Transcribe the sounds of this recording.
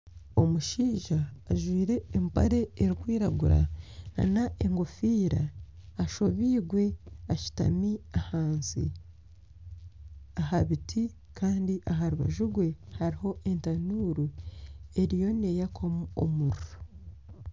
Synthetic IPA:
o̞muʃiːʒaːʒwiːɾe̞ːmpa̰ɾe̞ːɾikwiːɾaɡuɾa̰a̰naʔeŋɡofiːɾaːʃo̞βiːɡwe̞aci̥ta̰miahaːnsḭ | aɦaβitʰi | kʰaːndiʔaɦaɾuβa̰ʒuɡwe̞haɾiho̞ʔe̞ntanuːɾue̞ɾijo̞ne̞jakʰomuo̰muɾuɾo

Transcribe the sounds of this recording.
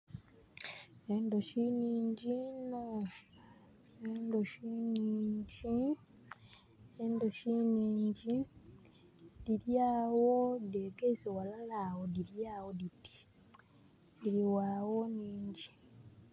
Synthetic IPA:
endoʃiniːɲɟino | endoʃiniːɲɟi | eːndoʃiniːɲɟi | diljaːwodeːɡeisewalalaːwodiljaːwoditi̥ | iɾiwaːwoniːɲɟi

